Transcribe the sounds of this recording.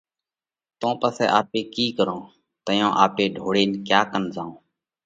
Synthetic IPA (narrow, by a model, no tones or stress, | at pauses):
t̪õːpəsɛ̰ːʔaːpeːkiːkəɾõː | t̪əjõːʔaːpeːɖʱoːɽeːnkjaːkənzãːõː